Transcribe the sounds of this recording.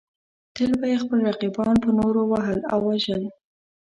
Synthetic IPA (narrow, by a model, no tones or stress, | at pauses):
t̪əlbajexpəlɾaqibɑnpənoɾowaɦəla̰wːaʒəl